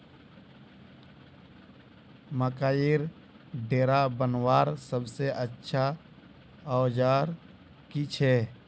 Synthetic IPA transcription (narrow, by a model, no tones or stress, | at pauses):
məkaːjiɾ | ɖeːɾabənwaːɾsəbseʔətːʃʰa | awd͡ʒaːɾ | kit͡ʃʰɛː